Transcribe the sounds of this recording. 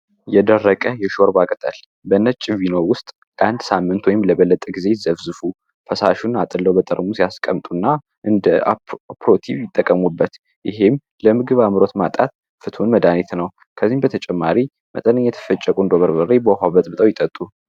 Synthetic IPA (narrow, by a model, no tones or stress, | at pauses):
jɛd̪ərːəkʼəjɛʃoɾbakʼət̪ʼə̰l | bənːət͡ʃʼɪvinowʊst̪ʼ | ʔand̪samːɨnt̪ʰwɔjɪmləβəlːət̪ʼəɡize̞zəβzɨfu | fʰəsaʃunat̪ʼɨlːəwbət̪ʼə̰ɾmusijaskʼəmt̪ʼunːa | ʔɨnd̪əa̰pɾot̪ʰiβjɪt̪ʼːəkʼːəmubːət̪ | jɪɦem | ləmɨɡɨβamɨɾo̞t̪mat̪ʼa̰t̪ | fɨt̪ʰunməd̪anet̪nəw | kʰəzːimbət̪ʰət͡ʃʼɛmːaɾi | mə̰t̪ʼənəɲːɛt̪ʰə̥fət͡ʃʼːəkʼuɨnd̪oβəɾbərːebəɦaβət̪ʼbɨt̪ʼəwjɪt̪ʼət̪ʼːu